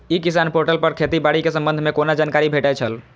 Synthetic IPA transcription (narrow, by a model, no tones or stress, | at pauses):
ikisanpoɾʈəlpəɾkʰet̪ibaɽikesəmbənd̪ʱmekonad͡ʒankaɾibʱeʈajt͡ʃʰəl